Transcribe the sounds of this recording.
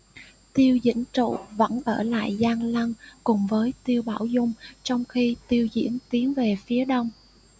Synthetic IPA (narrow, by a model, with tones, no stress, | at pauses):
t̪i˧əwzḭ˧˥ənt͡ɕṵ˧˨və̰˧˥nʔəː˧˩la̰ː˧˨jzaː˧ŋla˧nkʊ˨˩ŋ͡mvəː˨˦jt̪i˧əwɓaː˧˩wzʊ˧ŋ͡mt͡ɕɔ˧wŋ͡mxi˧t̪i˧əwzḭ˧˥ənt̪i˨˦ənve˨˩fi˨˦əɗə˧wŋ͡m